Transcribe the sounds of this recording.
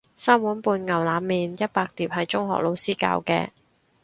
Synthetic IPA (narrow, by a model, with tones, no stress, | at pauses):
saː˥mwuː˨˥npuː˧nŋɐ˨˩wlaː˨˧˥mːiː˨njɐ˥t̚paː˧k̚t̪iː˨p̚hɐ˨jt͡ʃʊ˥ŋɦɔ̰ː˨k̚lo˨˧wsiː˥ka̰ː˧wkɛ̰ː˧